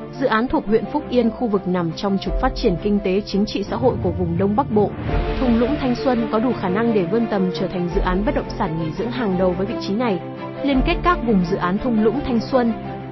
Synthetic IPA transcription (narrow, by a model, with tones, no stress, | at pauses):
zɨ̰˧˨ʔaː˨˦nt̪ʰu˨˩ək̚w̰ənfʊ˦˥k͡p̚ʔi˧ənxu˧vɨ˨˩k̚na˨˩mt͡ɕɔ˧wŋ͡mt͡ɕʊ˨˩k͡p̚faː˦˥t̚t͡ɕi˧˩ənkï˧ŋ̟t̪e˨˦t͡ɕï˨˦ŋ̟t͡ɕḭ˧˨sa̰ː˧˥ɦo̰˧˨jku˧˩əvʊ˨˩ŋ͡mɗə˧wŋ͡mɓa˦˥k̚ɓo̰˧˨t̪ʰʊ˧ŋ͡mlʊ̰˧˥ŋ͡mt̪ʰa˧jŋ̟swə˧nkɔ˨˦ɗu˧˩xaː˧˩na˧ŋɗe˧˩və˧nt̪ə˨˩mt͡ɕəː˧˩t̪ʰa˨˩jŋ̟zɨ̰˧˨ʔaː˨˦nɓə˦˥t̚ɗə̰˧˨ŋ͡msaː˧˩nŋi˧˩zɨ̰˧˥əŋɦaː˨˩ŋɗə˨˩wvəː˨˦jvḭ˧˨t͡ɕi˨˦na˨˩j | li˧ənke˦˥t̚kaː˦˥k̚vʊ˨˩ŋ͡mzɨ̰˧˨ʔaː˨˦nt̪ʰʊ˧wŋ͡mlʊ̰˧˥ŋ͡mt̪ʰa˧jŋ̟swə˧n